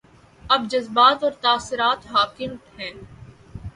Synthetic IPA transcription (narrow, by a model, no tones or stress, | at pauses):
ɐbd͡ʒɐzbaːt̪ɔːɾt̪aːsɪɾaːt̪ɦaːkɪnʈɦɛ̃ː